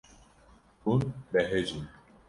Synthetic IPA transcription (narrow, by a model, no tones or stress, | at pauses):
unbɛɦed͡ʒi